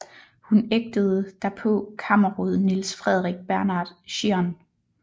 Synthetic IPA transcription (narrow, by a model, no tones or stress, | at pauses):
huneɡ̥̚d̥əð̞̩ˠəd̥æɐpʰɔ̽kʰɑmɐʁoðˠnilsfʁɛð̞ˠʁiɡ̥̚b̥æɐnɑ̈d̥ɕiɐn